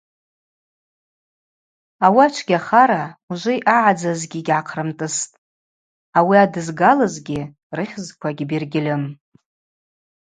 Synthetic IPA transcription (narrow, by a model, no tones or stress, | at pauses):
awat͡ʃʷʰɡʲaχaɾauʒʷɪjʔaʕad͡zazɡʲiɡʲʕaqʰrɨmtʼɨstʼ | awiadɨzɡalɨzɡʲi | rɨχʲzkʷʰaɡʲbirɡʲɪlʲɨm